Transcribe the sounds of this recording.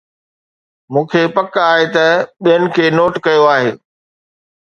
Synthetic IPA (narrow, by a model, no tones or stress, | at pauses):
mũːkʰepɐkaːɦet̪ɐɓijənɪ̆kʰeːnoːʈkɐjoaːɦeː